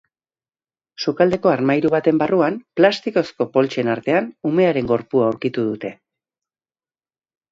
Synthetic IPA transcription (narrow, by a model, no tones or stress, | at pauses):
sukald̪e̞ko̞aɾmajɾuβat̪e̞mbaruamplast̪iko̞sko̞po̞lt͡ʃe̞naɾt̪e̞anume̞aɾe̞ŋɡo̞ɾpuawɾkit̪uðut̪e̞